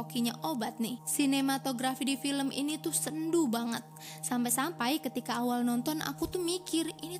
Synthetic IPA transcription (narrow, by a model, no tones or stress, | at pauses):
okiɲaʔobat̪̚nɪhsinemat̪oɡɾafidifiləmʔḭnit̪usəndubaŋət̪̚ | sampajsampajkət̪ikaːwalnɔnt̪ɔnʔa̰kut̪uhmikɪrini